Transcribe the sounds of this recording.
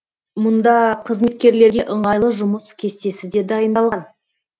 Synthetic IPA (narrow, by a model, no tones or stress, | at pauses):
mʊnd̪ɑqʰəzme̞t̪̚kʲe̞ɾle̞ɾɡʲe̞ʔəɴʁɑjlˠəʒʊməskʲʰe̞st̪e̞sɪd̪e̞d̪ɑjənd̪ɑlˠʁɑn